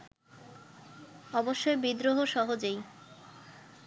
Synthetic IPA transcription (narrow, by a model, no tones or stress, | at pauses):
ɔboʃːoebid̪ɾoɦoʃɔɦod͡ʑej